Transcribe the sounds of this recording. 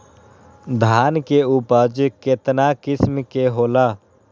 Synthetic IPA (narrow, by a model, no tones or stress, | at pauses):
d̪ʱaːnkeuːpəɾd͡ʒkɪt̪nakɪsmkeɦoːlaː